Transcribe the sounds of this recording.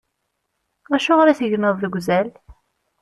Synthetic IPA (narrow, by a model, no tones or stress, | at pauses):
æʃʊʁɾæθəʝnəðˤðəɡʷzæl